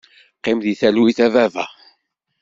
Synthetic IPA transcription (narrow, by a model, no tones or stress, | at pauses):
qːɪmðiθæluiθævævæ̰